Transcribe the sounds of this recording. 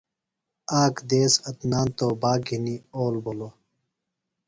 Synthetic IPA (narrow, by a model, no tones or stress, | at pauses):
aːkd̪eːsɐt̪naːnt̪oːbaːɡʱinioːlbolo